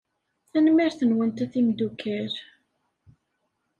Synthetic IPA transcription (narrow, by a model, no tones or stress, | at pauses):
θænmiɾθənwənt̪æθimd̪ukʰːæɾ